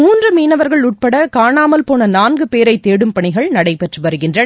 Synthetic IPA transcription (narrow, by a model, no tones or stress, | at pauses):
muːndrɯmiːnɐʋɐɾɣɐɭʊʈ̚pɐɽɐkaːnaːmɐlpoːnɐnaːnɡɯpeːɾɐɪt̪ːeːɽɯmpɐɳɪɣɐɭnɐɽɐɪpɛʈrɯʋɐɾɯɣɪndrɐ